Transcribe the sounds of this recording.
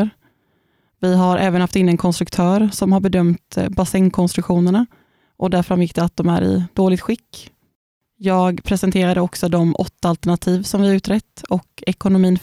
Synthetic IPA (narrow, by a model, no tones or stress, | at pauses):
ɾ | vɪɦaɾʔɛːvənhaft̪ɪnːənkʰɔnst̪ɾɵkt̪ʰœːɾsɔmhaɾbɛd̪œmt̪basɛŋkʰɔnst̪ɾɵkɧuːnəɳa | ʔɔd̪æɾfɾamjɪkd̪ɛat̪̚d̪ɔmæ̰ɾɪ̰d̪oːlɪɡ̚t̪ɧɪkː | jɑːɡpʰɾɛsɛnt̪ʰeːɾad̪əɔksɔd̪ɔmʔɔt̪ːaalt̪əɳat̪ʰiːvsɔmvɪhaɾʉ̟ːt̪ɾɛt̪ːɔkɛkʊnʊmiːn